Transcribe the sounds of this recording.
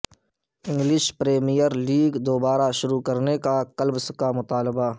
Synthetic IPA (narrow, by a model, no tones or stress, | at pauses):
ɪ̃ŋɡlɪʃpɾeːmijəɾliːɡd̪oːbaːɾaʃʊɾukɐɾnekakɐlbskamʊt̪aːləba